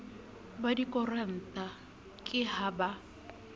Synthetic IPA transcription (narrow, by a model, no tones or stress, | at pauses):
badikʼɔran̩t̪ʼa | kʼɪhaba